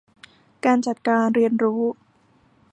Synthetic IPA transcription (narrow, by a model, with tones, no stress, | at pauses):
kaː˧nt͡ɕa˨˩t̪̚kaː˧nɾi˧ənɾuː˦˥